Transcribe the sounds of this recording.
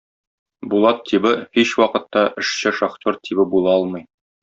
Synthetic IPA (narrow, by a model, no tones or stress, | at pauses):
bulˠɑt̪ʰːibɘhiɕwɒqɤ̆t̪ːɑʔɘ̆ʃɕɘʃɑχt̪ʲoɾt̪ʰiβɘbulˠɑɒlˠmɤj